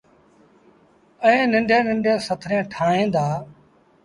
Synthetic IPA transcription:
əẽːnɪɳɖʱẽːnɪɳɖẽːsət̪ʰɾẽːʈʰaːɦẽːd̪aː

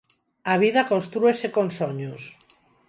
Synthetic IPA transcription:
aβ̞ið̞akõnst̪ɾuesekonsoɲos

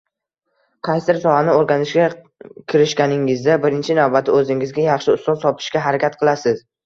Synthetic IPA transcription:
qʰɑjsɪɾsɒhanɪoɾɡʲanɪʃkʲa | kʲʰɪɾɪʃkʲanɪŋɪzd̪abɪɾɪnt͡ʃʰɪnavbat̪ʰɪɵzɪŋɪzɡʲajɑχʃɪʊst̪ɒnsɒpʰɪ̥ʃkʲaɦaɾakʲʰat̪̚qʰɨlˠasɪz̥

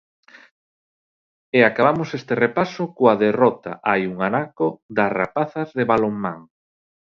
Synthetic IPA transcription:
eakaβamosest̪erepasʊkoaðerɔt̪a̰ʔajuŋanakod̪ɐsra̰paθɐzðeβaloŋma̰ŋ

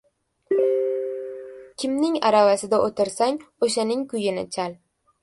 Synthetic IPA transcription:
kʲʰɪmnɪŋaɾavasɪd̪aʔot̪ʰɪɾsaŋoʃanɪŋkʰʊjɪnɪ̰t͡ʃʰal

